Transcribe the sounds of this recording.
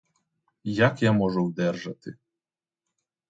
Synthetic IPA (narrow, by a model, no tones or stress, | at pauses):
jakjamɔʒʊwd̪ɛrʒɐt̪ɪ